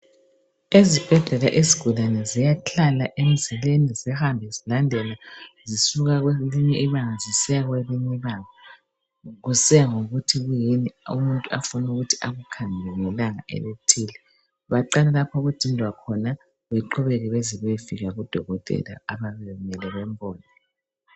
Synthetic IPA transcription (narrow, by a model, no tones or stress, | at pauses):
ezib̥ʱɛɮɛlaʔeziɡ̥ʱulanɛzijat͡ɬʰalaʔem̩zilenizɛhambʱɛzilandʱɛlazisuɣaɣweliɲɛʔiβaŋazisɛɣweliɲɛiβaŋa | ɣusɛaŋoɣutʰiɣujiniṵmuntʼuafunuɣutʰi̥ʔaɣukʰaŋʱɛŋɛlaŋa̰ʔɛ̰βetʰiːlɛ | βaǃalalapʰaɣud̥ʱindʱwakʰɔna | βɛǃɔβɛɣɛβeziβefiɣaɣud̥ʱɔɣɔtʼɛ̰la̰aβaβɛɛumɛlɛβɛmbʱɔːnɔ